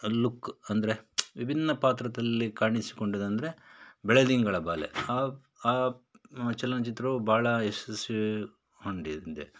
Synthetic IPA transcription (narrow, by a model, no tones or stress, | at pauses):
lukːɐnd̪ɐɾe̞ʋibʱinːɐpaːt̪ɾɐt̪ɐlːikaːɾɳisi̥ko̞ɳɖid̪ɐnd̪ɐɾe̞bɛɭed̪iŋɡɐɭɐbaːlḛaː | aː | t͡ʃɐlːɐnɐt͡ʃit̪ɾɐubʱaːɭɐesɐsi | hoɳɖid̪d̪ḛ